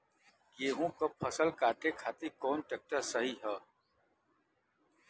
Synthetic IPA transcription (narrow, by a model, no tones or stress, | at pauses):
jeːɦũkopʰɐsəlkaːʈekʰaːt̪ikɔːnʈeːk̚ʈəɾsɐɦiɦɛː